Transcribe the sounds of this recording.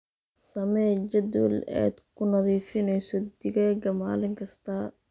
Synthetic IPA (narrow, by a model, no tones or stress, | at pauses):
sɐmɛːd͡ʒɐd̪ṵlɛ̰ːd̪kʰʊnɐðiːfɪnɛjsɔd̪ɪɣɛːɡɐma̰ːlɪŋkʰɐst̪ʰɐ